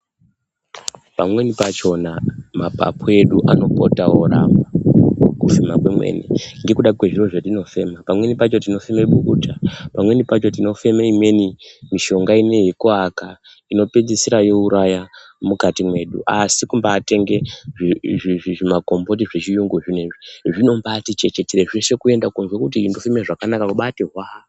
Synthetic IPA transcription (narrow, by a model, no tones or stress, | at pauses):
pamwe̞nipat͡ʃo̞namapa̰pʰue̞ɗuʔano̞potaoɾa̰makufimakwemwḛnḭŋɡe̞kuɗakwe̞ʐiro̞ʐetino̞fe̞mapamwe̞nipat͡ʃo̞tino̞femeɓukutapamwe̞nipat͡ʃo̞tino̞fe̞meimwe̞nimiʃo̞ŋɡaine̞jekoaka | ino̞ped͡zisiɾajo̞uɾaja | mukatimwe̞ɗṵʔasikumbaːte̞ŋɡe̞ʐiiʐiʐimako̞mbo̞t̬iʐet͡ʃijuŋɡuʐineʐiʐino̞mbatit͡ʃe̞t͡ʃe̞teɾeʐese̞kuendakunzwekut̬indofimeʐakanakakuɓateɦwa